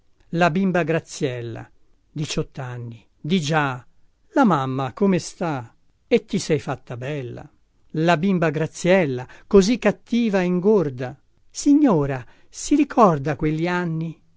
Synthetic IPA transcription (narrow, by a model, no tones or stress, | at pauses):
labimbaɡɾat̪sːjɛlːa̰ | d̪it͡ʃɔt̪ːanːi | d̪id͡ʒa | lamamːakomest̪a | et̪ːisɛjfat̪ːabɛlːa̰ | labimbaɡɾat̪sːjɛlːakozikːat̪ːiːvaeiŋɡord̪a | siɲːɔːɾa | siɾikʰɔrd̪akwelːianːi